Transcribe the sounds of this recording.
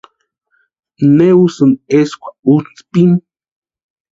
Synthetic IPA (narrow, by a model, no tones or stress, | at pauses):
newsɨneskʷaut͡spim